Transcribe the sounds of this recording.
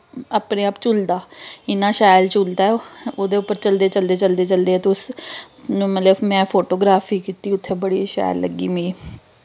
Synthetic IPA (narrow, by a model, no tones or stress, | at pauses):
aːpneːaːpt͡ʃʊld̪aːɪnãːʃaːɪlt͡ʃuld̪aːɛoːd̪eːʊpːəɾt͡ʃəld̪eːt͡ʃəld̪eːt͡ʃəld̪eːt͡ʃəld̪eːɛːt̪eʊs | ñːmət̪ləbmɛ̃ːpʰoːʈoːɡɾaːpʰiːkiːt̪iːʊt̪ʰːeːbəɽiːʃa̰ːj̰llə̰ɡːiːmĩː